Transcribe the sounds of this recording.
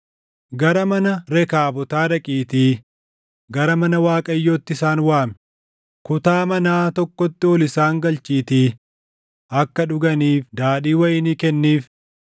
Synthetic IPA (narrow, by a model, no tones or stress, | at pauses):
ɡɐɾɐmɐnɐɾɛkaːbɔt̪aːᶑɐkʼiːt̪iː | ɡɐɾɐmɐnɐwaːkʼɐjːoːt̪ːɪsaːnwaːmɛ | kʊt̪aːmɐnaːt̪ɔkːɔt̪ːɪɔlɪsaːŋɡɐlt͡ʃʼiːt̪iː | ɐkːɐᶑʊɡɐniːfd̪aːᶑiːwɐjɪniːkɛnːiːf